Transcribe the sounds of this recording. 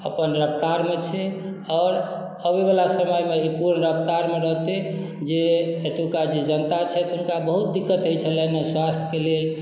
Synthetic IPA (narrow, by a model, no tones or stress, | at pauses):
ə̰pənɾəpt̪aɾmet͡ʃʰɛ | ɔːɾ | əbebelasəməjmeipuɾnəɾəpt̪aɾmeɾəɦt̪e | d͡ʒeet̪ukad͡ʒed͡ʒənt̪at͡ʃʰɛt̪ɦunkabəɦut̪̚d̪ikːət̪ɦojt͡ʃʰəlɛneswast̪ʰə̥kelel